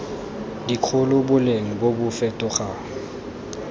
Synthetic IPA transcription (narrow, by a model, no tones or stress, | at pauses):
dikʰʊlʊbʊleŋ̩bobʊfɛtʼʊχa